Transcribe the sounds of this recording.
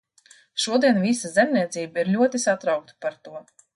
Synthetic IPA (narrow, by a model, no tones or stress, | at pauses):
ʃuɔd̪iɛnvisazɛmnʲiɛt̪siːbaiɾlʲuɔt̪isat̪ɾawk̚t̪paɾt̪uɔ